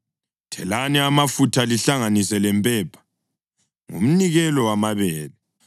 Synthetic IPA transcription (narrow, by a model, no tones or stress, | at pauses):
tʰɛlanɛamafutʰaliɬaŋanisɛlɛmpʼɛpʰḁ | ŋṵm̩niɣɛlɔwamaβɛːlɛ